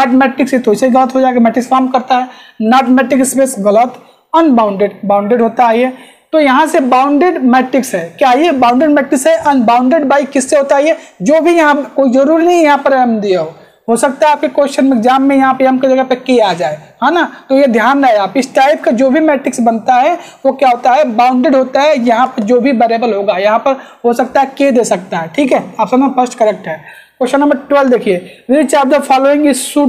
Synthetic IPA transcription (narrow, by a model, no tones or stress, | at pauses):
nɛːʈmɛːʈɪksjet̪ʰoiseiɣɐlət̪ɦod͡ʒaːeɡamɛːʈɪksfaːɾmkɐɾt̪aɦɛnɛːʈmɛːʈɪkspeːsɣɐlət̪ | ɐnbãːʊ̃ɳɖeːɖbãːʊ̃ɳɖeːɖɦoːt̪aɦiɦɛ | t̪ojɐɦãsebaːʊ̃ɳɖeːɖmɛːʈɪksɦɛːkjaːɦiebãːʊ̃ɳɖeːɖmɛːʈɪksɦɛʔɐnbaːʊ̃ɳɖeːɖbaːikɪsːeɦoːt̪aːɦiɦɛd͡ʒoːbʱijɐɦãkoːid͡ʒɐɾuːɾinɐɦĩjɐɦãpəɾəmd̪iaɦo | ɦosɐk̚t̪aɦɛaːp̚kekoːʃənmɪkzaːmːẽjɐɦãpɐɾjɐ̃mked͡ʒɐɡəpekijaːd͡ʒaːehãːnat̪ojed̪ʱjaːnɾɐɦeaːpɪsʈaːɪp̚kad͡ʒoːbʱimɛːʈɾɪksbɐnt̪aɦɛʋokjaɦoːt̪aɦɛbãːʊ̃ɳɖɾeːɖɦoːt̪aɦɛjɐɦãpɐɾd͡ʒoːbʱibɐɾeːbəlɦoːɡajɐɦãpɐɾ | ɦosɐk̚t̪aɦɛked̪eːsɐk̚t̪aɦɛʈʰiːkɦɛːaːpsɐbẽpʰəsʈkɐɾek̚ʈɦɛː | koːʃənɐ̃mbəɾʈʋəld̪eːkʰieɾiːt͡ʃaːp̚d͡ʒɐbfʰaːloẽːŋɡeɪssuː